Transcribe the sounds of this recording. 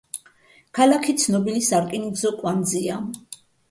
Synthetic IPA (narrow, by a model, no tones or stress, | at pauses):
kʰalakʰit̪sʰnɔbinisaɾkʼiniɡzɔkʼwand̪zia